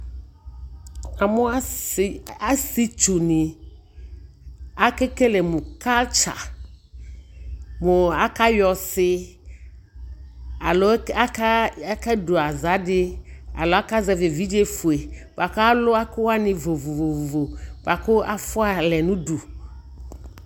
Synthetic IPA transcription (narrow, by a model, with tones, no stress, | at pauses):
a˨mʊ̃˦a˦˨ | a˦si˦t͡ʃu˨ni˨ | a˦ke˦ke˦lɛ˨mũ˨ka˦lt͡ʃa̰˨ | mʊ˨a˨ka˦jɔ˨sɪ˦ | a˨lo˦a˦ka˦ka˦do˨a˨za˨˦dɪ˦a̰˨lɔ˨˦a˦ka˦zɛ˨vɪ˨vi˦d͡ʒe˦fu˨e˨va˨ka˦lʊ˦a˦kʊ˦wa˦nɪ̃˨vo˨vo˨vo˨vo˨vo˨va˨kʊ˦a˨fʊ˦a˨lɛ˨nũ˦du˨